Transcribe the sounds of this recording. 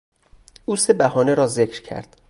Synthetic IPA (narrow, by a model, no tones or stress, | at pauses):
ʔuːse̞bæhɒːne̞ɾɒːzecʰɾcʰæ̰ɾd̪̥